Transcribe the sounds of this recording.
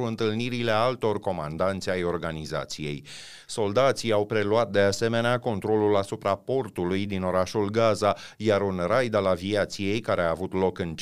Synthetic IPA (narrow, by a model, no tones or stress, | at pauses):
uɨnt̪ɨlniɾile̞alt̪o̞rko̞ma̰nd̪ant̪sʲajo̞rɡaniza̰t̪sije̞̰j | so̞ld̪at̪sijawpɾe̞luat̪̚d̪e̞ase̞me̞neako̞nt̪ɾo̞lulasupɾapo̞rt̪ulujd̪ino̞ɾaʃulɡazajaɾunrajd̪alaviat̪sije̞jkaɾeaːvut̪lo̞kɨn